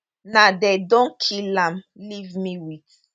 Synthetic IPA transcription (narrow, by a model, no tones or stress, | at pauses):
nadedɔ̃nkʰilãmlivmiwit